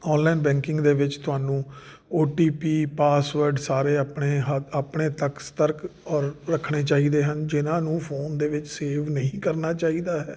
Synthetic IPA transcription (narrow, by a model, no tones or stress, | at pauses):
ɔːnlaːinbɛ̃ːŋkɪŋɡd̪eːʋɪt͡ʃt̪ʊɦaːnũː | oːʈiːpiːpaːsʋəɾɖsaːɾeːəpɳeːɦəaːpɳeːt̪əkst̪əɾkɔːɾːəkʰːɳeːt͡ʃaːiːd̪eːɦənd͡ʒɪnãːnũːpʰoːnd̪eːʋɪt͡ʃseːʋnəɦĩːkəɾnaːt͡ʃaːiːd̪aːɦɛː